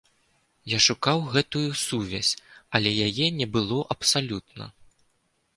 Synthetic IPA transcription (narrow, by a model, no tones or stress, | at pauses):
jaʂukawɣɛt̪ujusuvʲasʲɐlʲɛjajɛnʲɛbɨlˠɔʔɐpsalʲut̪̚nɐ̰